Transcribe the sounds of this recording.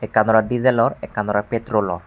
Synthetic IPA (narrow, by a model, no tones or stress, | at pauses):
ɛkanɔɾadizɛlɔɹɛkanɔɾapetɾolɔ̰ɹ